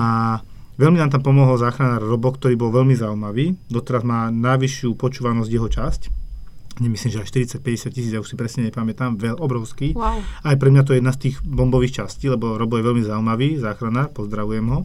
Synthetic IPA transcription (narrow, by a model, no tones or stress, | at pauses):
a | ʋɛlminaːmt̪̬ampɔmɔɦɔlzaːxɾanaːɾːɔbɔkt̪ɔɾiːbɔlʋɛʎmizaumaʋiːd̪ɔt̪ɛɾazmaːnajʋiʃɪupɔt͡ʃuːʋanɔzɟjɛɦɔt͡ʃasc | ɲɛmisliːmʒɛaʃt̪iɾit͡sac̚pɛɟɛsjacisiːd͡zjauʃsipɾɛsɲɛɲɛpamɛt̪aːmʋɛɔbɾɔʊskiːajpɾɛmɲat̪̬ɔɛɛd̪nast̪iːɣbɔmbɔʋiːxt͡ʃasciːlɛbɔɾɔbɔɡjɛʋɛʎmizaumaʋiːzaːxɾanaːɾpɔzd̪ɾaʋujɛmɦɔ